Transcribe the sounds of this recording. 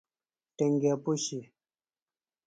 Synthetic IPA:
tɛŋɡapoʃi

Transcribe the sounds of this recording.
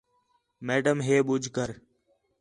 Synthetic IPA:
meːɖəmɦeːɓʊd͡ʒʱkəɾ

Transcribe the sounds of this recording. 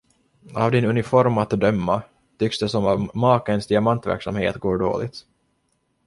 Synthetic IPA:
a̰vd̪ɪnɵnɪfɔɾmat̪d̪œmːa | t̪ʰʏksd̪ɛsɔmamɑːkənsd̪ɪamant̪væ̰ɾksa̰mhḛːt̪ɡoːɖo̰ːlɪ̰t̪

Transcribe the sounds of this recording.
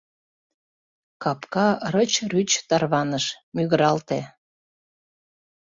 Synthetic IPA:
kɑpkɑɾət͡ɕryt͡ɕt̪ɑrβɑnəʃmyɣəɾɑlt̪e

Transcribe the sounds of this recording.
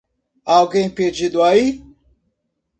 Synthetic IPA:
awɡẽj̃ped͡ʒid̪ʊai

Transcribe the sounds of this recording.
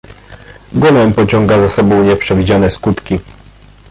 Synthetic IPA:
ɡunɛmpɔt͡ɕɔŋɡazasɔbɔ̃w̃ɲɛpʂɛvʲid͡ʑanɛskut̪kʲi

